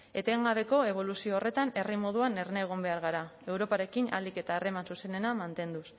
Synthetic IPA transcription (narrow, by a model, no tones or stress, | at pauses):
e̞t̪e̞ŋɡaβ̞e̞ko̞e̞β̞o̞lusio̞ːre̞t̪ane̞rimo̞ð̞uane̞ɾne̞ːɣ̞o̞mbe̞aɾɣaɾae̞wɾo̞paɾe̞kina̰like̞t̪aere̞mansuse̞ne̞namant̪e̞nd̪us